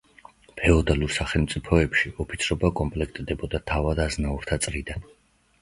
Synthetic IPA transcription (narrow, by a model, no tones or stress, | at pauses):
pʰɛɔd̪aluɾsaχɛlˠmt̪sʼipʰɔɛpʃiɔpʰit̪sʰɾɔbakʼɔmpʼlɛkʰt̪ʼd̪ɛbɔd̪at̪ʰavad̪aznauɾt̪ʰat̪sʼɾid̪an